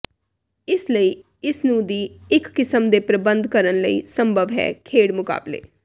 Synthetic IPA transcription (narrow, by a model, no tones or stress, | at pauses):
ɪsləiː | ɪsnũːd̪iːɪkːɪsəmd̪eːpɾəbə̃nd̪kəɾənləiːsəmbʱəʋɦɛ̰ːkʰeːɽmʊka̰ːblḛː